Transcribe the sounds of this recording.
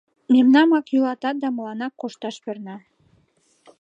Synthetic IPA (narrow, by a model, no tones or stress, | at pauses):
memnɑmɑkjulˠɑt̪ɑt̪̚d̪ɑmɤ̆lˠɑnɑkqːoʃt̪ɑʃbɘ̆ɾnɑ